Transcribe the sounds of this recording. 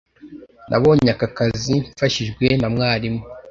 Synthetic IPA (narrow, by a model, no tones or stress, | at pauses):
nʔa̰βo̞ːɲakakaziɱfaʃiʒɡwenamŋaːɾimŋo